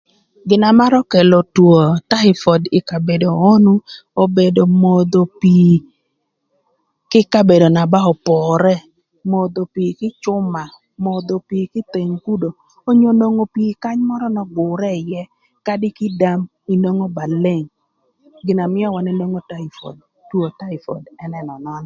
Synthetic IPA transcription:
ɡɪ˨na˨ma˦ɾɔ˦kɛ˨lo˨two˨ta˦ɪ˨fɔ˨dɪ˨ka˨be˨doː˨˦nu˦o˦be˨do˨mo˨d̪o˨pi˨ | kɪ˦ka˦be˨do˨na˨ba˦ɔ˨pɔ˨ɾɛ˦ | mo˨d̪o˨pi˨kɪ˦t͡ʃʊ˦ma˨ | mo˨d̪o˨pi˨kɪ˦t̪e˨ŋku˦do˨ | o˦ɲo˨no˨ŋo˨pi˨ka˦ɲmɔ˦ɾɔ˦nɔ˨ɡʊ˨ɾɛ˦˨jɛ˦ | ka˦dɪ˦kɪ˦da˦m | i˨no˦ŋo˦ba˨le˦˨ŋ | ɡɪ˨na˨mɪ˦ɔ˦wa˨ne˦no˦ŋo˦ta˦i˨fɔ̰˨d̚ | two˨ta˦ɪ˨fɔ̰˨dɛ˦nɛ˦nɔ˨nɔ˦n˨

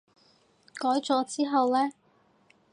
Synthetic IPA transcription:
kɔː˨˥jt͡sɔː˧t͡siː˥ɦɐ˨wlɛː˥

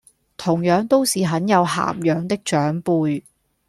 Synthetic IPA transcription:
t̪ʰʊ˨˩ŋjœː˨˧ŋt̪o˥wsiː˨ɦɐ˨˥njɐ˨˧wɦa̰ː˨˩mjœː˨˧ŋt̪ɪ˥k̚t͡ʃœː˨˥ŋpuː˧j

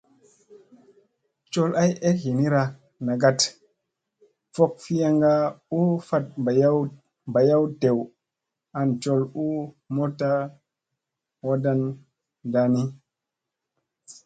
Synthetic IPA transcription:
t͡ʃo˦la˦je˦hi˨ni˦ɾa˨ | na˨ɡa˦t | fo˦k̚fi˦ja˦ŋɡa˦u˦fa˦t̚ja˦ | ba˨ja˦wte˨w | a˨nt͡ʃo˦lu˦ | mo˦ta˦ | wa˦da˦n | da˨ni˦

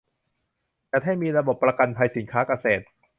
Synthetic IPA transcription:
t͡ɕa˨˩t̪ɦa˥˩jmiː˧ɾa˧bo˨˩pːɾa˧ka˧npʰa˧jsi˩˦nkʰaː˦˥ka˧seː˨˩t̪̚

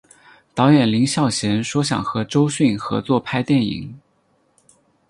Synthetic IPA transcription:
t̪ɑ˧˥ʊjɛ˨˩nli˧˥ŋɕjɑ˥˩ʊɕjɛ˧˥nʂwɔ˥ɕ̬jɑ̰˨˩ŋxɤ˧˥ʈ͡ʂo˥ʊɕy˥˩nxɤ̰˧˥t͡swɔ˥˩pʰa˥ɪt̪jɛ˥˩nḭ˨˩˦

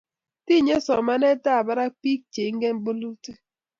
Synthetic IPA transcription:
ti˦˨ɲe˦sɔ˨ma˦nɛ˦ta˦˨ba˦ɾa˦pi˦k̚t͡ʃe˨˦ŋ̩˦ɡe˦m̩˦bo˦lu˦te˦

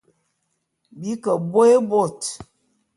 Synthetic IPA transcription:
bi˦kə˨bo˦e˦bo˦˨t

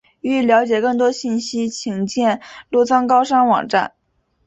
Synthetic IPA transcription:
y˥˩ljɑ˧˥ʊt͡ɕjɛ˨˩kɤ˥˩ŋt̪̬wɔ˥ɕi˥˩nɕi˥t͡ɕʰi˧˥ŋt͡ɕjɛ˥˧nlu˥˩t͡sʰɑ˥ŋkɑ˥ʊʂɑ˥ŋwɑ̰˨˩ŋʈ͡ʂa̰˥˩n

